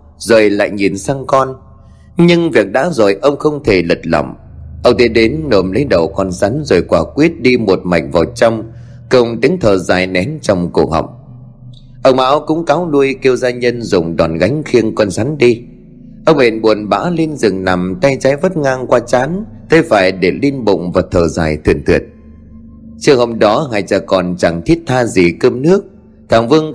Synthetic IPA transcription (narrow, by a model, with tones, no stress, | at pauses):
zəː˨˩jla̰ː˧˨jɲi˨˩nsaː˧ŋkɔ˧n | ɲɨ˧ŋvi˨˩ək̚ɗa̰ː˧˥zo˨˩jʔə˧wŋ͡mxə˧wŋ͡mt̪ʰe˧˩lɨ̰ə˨˩t̚lə̰˧˨˩wŋ͡mʔə˧wŋ͡mt̪e˧˦ɗe˨˦nːo˨˩mlə˨˦jɗə˨˩wkɔ˧nsa˨˦nzo˨˩jkwaː˧˩kwi˦˥ət̚ɗi˧mo˨˩t̚ma̰˨˩jk̟̚vaː˨˩wt͡ɕɔ˧wŋ͡m | kə˧wŋ͡mt̪ï˨˦ŋt̪ʰəː˨˩zaː˧˩jnɛ˨˦nt͡ɕɔ˧wŋ͡mkṵ˨˩ək̚hə̰˧˨wk͡p̚ | ʔə˧wŋ͡mʔaː˨˦wkʊ̰˧˥ŋ͡mkaː˨˦wlu˧əjki˧əwzaː˧ɲə˧nzʊ̰˨˩ŋ͡mɗɔ˨˩nɣa˨˦jŋ̟xi˧ənkɔ˧nsa˨˦nɗi˧ | ʔə˧wŋ͡mʔḛ˨˩nɓu˨˩ənɓa̰ː˧˥li˧nzɨ̰˨˩ŋna˨˩mt̪a˧jt͡ɕaː˨˦jvə˦˥t̚ŋaː˧ŋkwaː˧t͡ɕaː˨˦n | t̪ʰə˨˦jfaː˧˩jɗe˧˩li˧nɓʊ̰˧˨ŋ͡mvaː˨˩t̪ʰəː˨˩zaː˨˩jt̪ʰwḭ˧˩ənt̪ʰḭ˨˩ət̚ | t͡ɕɨ˧˩əŋhə˧˨wŋ͡m̚ɗɔ˨˦ŋaː˨˩jt͡ɕaː˨˩kɔ˨˩nt͡ɕa˧˩ŋt̪ʰi˦˥ət̚t̪ʰaː˧zi˨˩kə˧mnɨ˦˥ək̚ | t̪ʰaː˨˩ŋvɨ˧əŋ